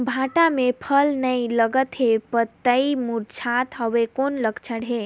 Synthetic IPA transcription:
bʱaʈamepʰəlnəjləɡət̪ɦepət̪ːəimuɾt͡ʃʰat̪ɦəwekonləkt͡ʃʰəɽɦe

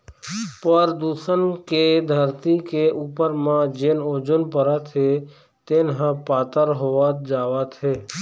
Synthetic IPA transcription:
pəɾd̪usənked̪ʱəɾt̪ikeʔupəɾmãd͡ʒeːnod͡ʒunpəɾat̪ʰe | t̪eːnɦə̃paːt̪əɾɦoʋat̪̚d͡ʒaːʋat̪ʰɦeː

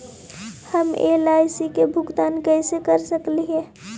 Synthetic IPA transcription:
həmḛːlaːɪsikebʱʊɡt̪aːnkɛɪsekəɾsəkliɦɛ̃

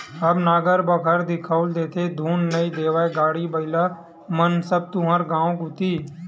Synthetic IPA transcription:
əbnaːɡəɾbəkʰəɾd̪ɪkʰəʊld̪eːt̪ʰed̪ʱuːnːəid̪eːʋaːeɡaːɽibəɪla | mənsəb̚t̪ʊɦəɾɡãːõkʊt̪iː

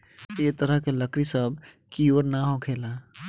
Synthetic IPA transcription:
et̪əɾəɦkeləkɾisəb̚ | kioɾnaɦokʰela

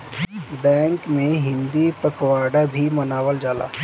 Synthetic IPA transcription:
bɛ̃ːŋkmẽɦɪ̃nd̪ipəkʰwaːɖabʱimɐnaːʋəld͡ʒaːla̰ː

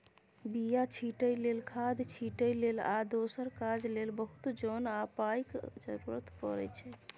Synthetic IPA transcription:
bijat͡ʃʰiʈəjlelkʰad̪t͡ʃʰiʈəjlelad̪osəɾkad͡ʒlelbəɦut̪d͡ʒɔnapajkd͡ʒə̰ɾuɾət̪pə̰ɾɛt͡ʃʰɛ

